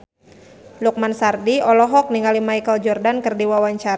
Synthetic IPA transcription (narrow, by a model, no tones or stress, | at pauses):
luk̚mansardiɔlɔɦɔk̚niŋalimajkəld͡ʒɔrdankərdiwawaɲt͡ʃaɾ